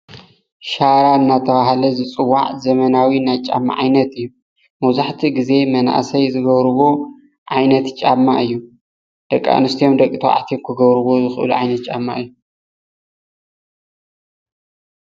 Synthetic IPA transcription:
ʃaɾaɨnːat̪ʰɐβaɦalɐzɨt͡sʼɨwaʕzɐmɐnawinajt͡ʃʼa̰mːa̰ʕajnɐt̪ɨjːu | mɐwzaħt̪ʰiɡize̞mɐna̰ʔsɐjzɨɡɐβɾɨβo̞ | ʕajnɐt̪t͡ʃʼamːaʔɨjːu | d̪̥ɐkʼːa̰nɨst̪ʰijo̞md̪ɐkʼːit̪ʰoa̰ʕt̪ʰijomkʰɨɡɐβɾɨβo̞zɨxʔɨ̰luʕajnɐt̪̚t͡ʃʼamːa̰ɨjːu

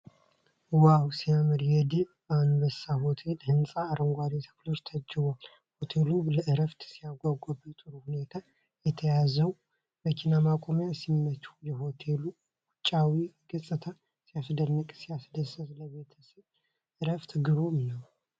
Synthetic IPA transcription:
wawsijamɨɾjɛd̪i | anbəsːaho̞t̪ʰe̞lhɨnsʼaːɾəŋɡʷaɾit̪ʰə̥flo̞t͡ʃːt̪ʰəd͡ʒːɪβal | ho̞t̪ʰe̞luləʔɨɾəft̪sijaɡʷaɡʷabət̪ʼɨɾuhune̞t̪ʰa | jɛt̪ʰəjazəw | bəkʰinamakʼo̞mjasimːət͡ʃʼu̥jɛho̞t̪ʰelu | wʊt͡ʃʼːawiɡɨsʼɨt̪ʰa | sijasd̪ənːəkʼsijasd̪əsəzləβe̞t̪ʰəsəβ | ʔɨɾəft̪ɡɨβomnəw

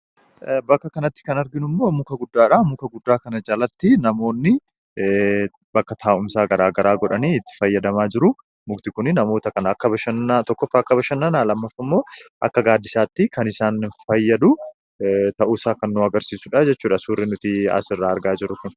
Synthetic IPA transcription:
bɐkːɐkɐnɐt̪ːɪ̥kɐnɐɾɡɪnʊmːo̞ːmʊkɐɡʊd̪ːaːᶑamʊkɐɡʊd̪ːaːkɐnɐd͡ʒalɐt̪ːɪnɐmo̞ːnːɪ | bɐkːɐt̪ʰaːʔʊmsaːɡɐɾaːɡɐɾaːɡɔᶑɐniːɪt̪ːɪ̥fɐjːɐd̪ɐmaːd͡ʒɪɾʊ | mʊɡt̪ɪkʊnɪnɐmo̞ːt̪ɐkɐnɐɐkːɐbɐʃɐnːat̪ɔkːɔfːɐɐkːɐbɐʃɐnːɐnaːlɐmːɐfːɐmːo̞ːʔɐ̰kːɐɡaːd̪ːɪsaːt̪ːɪkɐnɪsaːnfɐjːɐd̪ʊ | t̪ɐʔuːsaːkɐnːʊɐɡɐɾsiːsʊᶑad͡ʒɛt͡ʃːuːᶑɐsuːrːɪnʊt̪ɪɐ̰sɪrːaːɐɾɡaːd͡ʒɪɾːʊkʊn

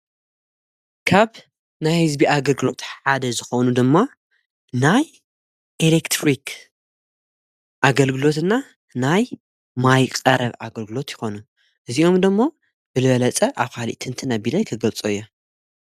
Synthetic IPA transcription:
kʰaβ | najhɨzbiʔaɡɐlɡɨlo̞t̪ħad̪ɐzɨxonud̪ɨmːa | naj | ʔelekt̪ʰɾikʰ | ʔaɡɐlɡɨlo̞t̪ɨnːa | naj | majkʼɐɾɐβa̰ɡɐlɡɨlo̞t̪jɪxo̞nu | ʔɨziʔo̞md̪ɨmːo | b̥ɨlɨβɐlɐt͡sʼɐʔaβkʰalḭʔt̪ʰɨnt̪ʰɨnabilɐjkʰɨɡɐlt͡sʼuɨjːo

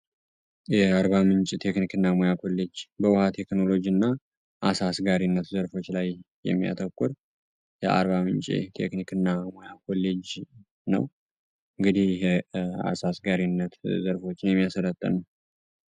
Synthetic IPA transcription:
jɛaɾβamɨɲt͡ʃʼit̪ʰe̞knikɨnːamojakʰo̞lːe̞d͡ʒbəwʊhat̪ʰe̞kno̞lo̞d͡ʒinːa | ʔasasɡaɾinːət̪zəɾfo̞t͡ʃːlajjɛ̰mːija̰t̪ʰəkʼːʊɾ | jɛʔa̰ɾβamɨnt͡ʃʼḭt̪ʰe̞̰knikɨnːamojakʰo̞lːed͡ʒ | nə̰w | ɨŋɡɨd̪ihjɦɛa̰sasɡaɾinːət̪zəɾfo̞t͡ʃːɪnjɛmːijasələt̪ʼːə̰n

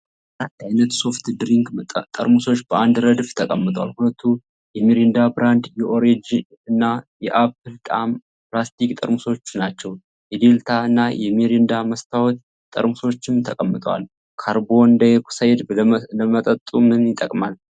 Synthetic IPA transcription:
ɾat̪ːajnət̪so̞ft̪d̪ɾiŋkt̪ʼə̰ɾmuso̞t͡ʃːbəand̪ɾəd̪ft̪ʰəkʼəmːɨt̪ʼwalhulət̪ʰːu | jɛmeɾend̪abɾand̪jɛʔoɾed͡ʒi | ɨnːajɛʔapːɨlt̪ʼa̰m | plast̪ʰikʼt̪ʼə̰ɾmuso̞t͡ʃːnat͡ʃːɛw | jɛd̪e̞lt̪ʰaɨnːajɛmeɾend̪aməst̪ʰawɔt̪̚ | t̪ʼə̰ɾmuso̞t͡ʃːɪmt̪ʰəkʼəmːɨt̪ʼwa̰l | kʰaɾbo̞nd̪aksajd̪ləmət̪ʼət̪ʼumɨnjɪt̪ʼːəkʼmal

